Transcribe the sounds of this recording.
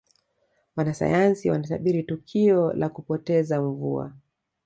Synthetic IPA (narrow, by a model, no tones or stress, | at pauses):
wanasa̰jansiwanaθaɓiɾitukʰiɔlʔakupɔtɛzaɱvṵa̰